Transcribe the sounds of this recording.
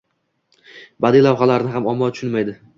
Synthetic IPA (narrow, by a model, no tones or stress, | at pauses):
bad̪ɪlawχalaɾɪnɪɦamɒmːɒt̪ʰʊ̥ʃʊnmajd̪ɪ